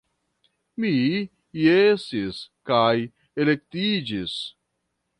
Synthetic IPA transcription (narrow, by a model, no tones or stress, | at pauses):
mi | jesiskaj | elek̚t̪id͡ʒis